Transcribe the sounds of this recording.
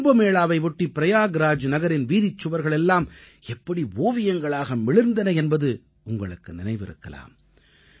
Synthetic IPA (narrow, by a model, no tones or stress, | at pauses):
mbɐmeːɭaːʋɐɪʋʊʈːipːɪɾɐjaːɡɾaːd͡ʒnɐɣɐɾɪnʋiːðɪt͡ʃːɯʋɐɾɣɐɭɛlːaːm | ɛpːɐɽiʋoːʋɪjɐŋɡɐɭaːɣɐmɪɭɪɾnd̪ɐnɐɛnbɐðɯ | ʊŋɡɐɭɯkːɯnɪnɐɪʋɪ̰ɾɯ̰kːɐ̰la̰ːm